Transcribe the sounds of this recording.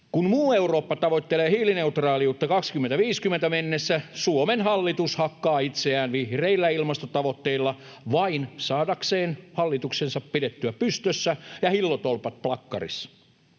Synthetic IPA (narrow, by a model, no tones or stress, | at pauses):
kunmuːeuroːpːɑt̪ɑʋot̪ːeleːhiːlineut̪rɑːliut̪ːɑkɑkskymːent̪æʋiːskymːent̪æmenːesːæsuomenhɑlːit̪ushɑkːɑːit̪seæːnʋihreilːæilmɑst̪ot̪ɑʋot̪ːeilːɑ | ʋɑinsɑːdɑkseːnhɑlːit̪uksensɑppidet̪ːyæpyst̪øsːæjɑhilːot̪olpɑt̪̚plɑkːɑ̰rḭsɑ̥